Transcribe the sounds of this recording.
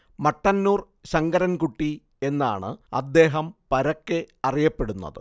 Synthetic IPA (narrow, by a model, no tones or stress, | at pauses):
mɐʈːɐnːuːr | ɕɐŋɡɐɾɐnkuʈːi | e̞nːa̰ːɳɨ̰ɐ̰d̪ːe̞ːɦɐmpɐɾɐkːɨɐrijɐpːe̞ɽunːɐ̰ðɨ